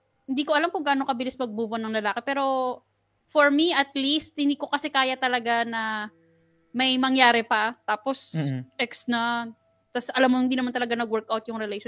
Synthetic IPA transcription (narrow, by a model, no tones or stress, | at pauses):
hɪnd̪iːkoʔɐlamkʊŋɡaːnokɐbɪlɪsmɐɡ̚buːbonɐŋlɐlaːkɛpɛːɾo̞ | foɹmiʔɐt̪̚list̪̚hɪnd̪iːko̞kɐsɛkaːjɐt̪ɐlɐɡanɐ | mɐjmɐŋjaːɾɛpɐt̪aːposʔɛksnɐ | t̪asʔɐlamːohɪnd̪inɐmant̪ɐlɐɡanɐɡwɛɹkʔawt̪̚jʊŋɾɛlejʃo